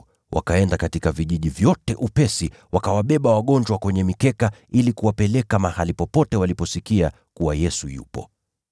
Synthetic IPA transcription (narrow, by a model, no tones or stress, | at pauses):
wʔa̰kaɛndakatikaviʄiʄivjɔtɛʔupɛsi | wakawaɓɛɓawaɠɔnd͡ʒwakwɛɲɛmikɛkailikuwapɛlɛkamahalipɔpɔtɛwalipɔsikia | kuwajɛsujṵpɔ̰